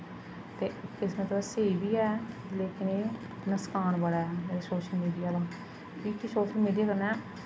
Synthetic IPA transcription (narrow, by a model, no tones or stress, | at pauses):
t̪eːɪsmət̪ləbseːbiːɛːleːkɪneː | nəskaːnbəɽɛːmeːɾeːsoːʃəlmiːɖijaːd̪ãː | ʈʰiːkisoːʃəlmiːɖijaːkəɾnɛː